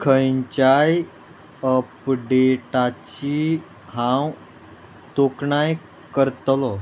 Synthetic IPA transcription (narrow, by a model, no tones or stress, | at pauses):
kʰəjɲt͡ɕaj | əpɖeʈat͡ɕi | hãw | t̪okɳaj | kəɾt̪lɔ